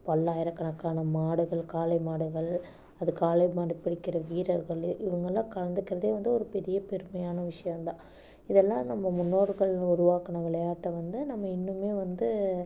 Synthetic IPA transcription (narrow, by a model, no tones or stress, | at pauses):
pɐlːaːjɪɾɐkːɐɳɐkːaːnɐmaːɽɯɣɐɭkaːlɐɪmaːɽɯɣɐɭ | ɐðɯkaːlɐɪmaːɽɪpːɪɽɪkːɪɾɐʋiːɾɐɾɣɐɭɪʋɐŋɡɐlːãːkɐɻɐnd̪ɯkːɪɾɐðeːʋɐnd̪ɯɔɾɯpɛɾɪjɐpɛɾɯmɐjaːnɐʋɪʂɐjɐ̃nd̪ãː | ɪðɛlːãːnɐmːɐmʊnːoːɾɣɐɭʊɾɯʋaːkɐnɐʋɪɭɐjaːʈːɐʋɐnd̪ɯnɐmːɐɪnːɯmeːʋɐnd̪ɯ